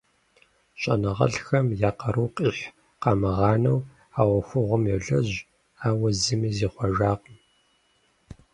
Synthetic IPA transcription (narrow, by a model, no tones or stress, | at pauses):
ɕʼɐnɐʁɐ̰ɬxɐmjaːqɐɾuwqʼiːħ | qɑːmɨʁɑːnɐw | aːwɔxʷʊʁʷʊmjɛɮɐʑ | aːwɐzɨmiːziːχʷɔʒaːqəm